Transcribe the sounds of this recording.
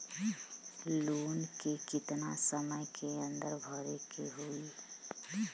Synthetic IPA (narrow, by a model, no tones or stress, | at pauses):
loːnkekɪt̪nasəməjkʰeənd̪əɾbʱɔɾekeɦoi